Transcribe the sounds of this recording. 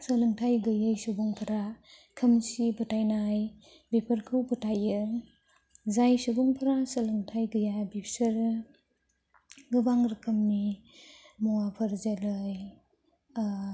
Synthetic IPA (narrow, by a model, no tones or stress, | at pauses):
sɐlɯŋtʰajɡɯjajsubuŋpʰɐɾa | kʰɯmsibutʰajnaj | bepʰɐɾkʰɯwbətʰajɯ | zajsubuŋpʰɾasɐlɯŋtʰajɡɯjabipʰsɐɾ | ɡɯbaŋɾɯkʰɯmni | mɔwapʰɐɾzalɯj